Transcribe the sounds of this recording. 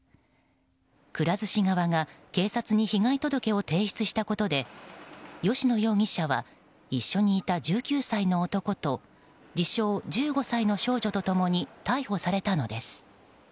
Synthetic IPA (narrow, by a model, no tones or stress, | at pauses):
kɯ̟ɾazɨɕiŋaβaŋake̞ːsat͡sɨɲ̟içiŋait̪o̞d̪o̞ke̞o̞t̪e̞ːɕi̥t͡sɨɕi̥t̪ako̞t̪o̞d̪e̞ | jo̞ɕino̞jo̞ːŋ̟ʲiɕaβa̰ | iɕːo̞ɲ̟iːt̪ad͡ʑɨːkʲɨːsaino̞ːt̪o̞ko̞t̪o̞ | d͡ʑiɕo̞ːd͡ʑɨːɡo̞saino̞ɕo̞ːʑo̞t̪o̞t̪o̞mo̞ɲ̟it̪aiho̞saɾe̞t̪ano̞d̪e̞sɨ̥